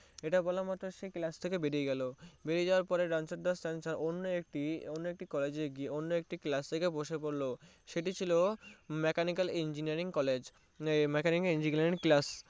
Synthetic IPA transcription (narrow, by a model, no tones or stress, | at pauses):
eʈabɔlamat̪ːɾoʃeklast̪ʰekebeɾieɡɛlobeɾieawaɾpɔɾeɖansoɾd̪asʈansaɾonːoekʈionːoek̚ʈikɔled͡ʑeɾɡieonːoek̚ʈiklast̪ʰekeboʃepoɾlo | ʃeʈit͡ɕʰilomɛkanikalind͡ʑiniaɾiŋkɔled͡ʑ | mɛkaniŋind͡ʑiɡaɾinklas